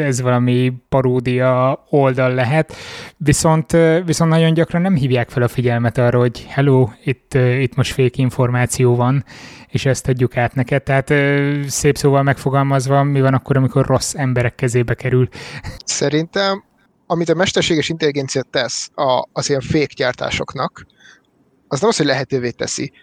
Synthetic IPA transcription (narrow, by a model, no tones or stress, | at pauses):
ɛzʋɒlɒmipɒɾoːd̪ijɒo̞ld̪ɒlːɛɦɛt̪ʋiso̞nt̪ːʋiso̞nt̪nɒɟo̞ɲɟɒkrɒnːɛmɦiːvjaːkfɛlɒfiɟɛlmɛt̪ɒrːɒho̞ɟhɛloːit̪ːit̪mo̞ʃt̪feːkiɱfo̞rmaːt̪sijoːvɒneːʃɛst̪ʰɒɟːukaːt̪nɛkɛt̪̚t̪ːɛɦaːt̪ːseːpsoːvɒlmɛkfo̞ɡɒlmɒzʋɒmivɒnɒkːo̞ɾɒmiko̞rrʔo̞sːɛmbɛɾɛkːɛzeːbɛkɛɾylsɛɾint̪ɛm | ɒmit̪ɒmɛʃt̪ɛrʃeːɡɛʃint̪ɛliɡɛnt̪sijat̪ːɛsɒːziɛɱfeːkɟaːrt̪a̰ːʃo̞̰knɒk | ɒznɛmɒsho̞ɟlɛɦɛt̪øːveːt̪ɛ̰sḭ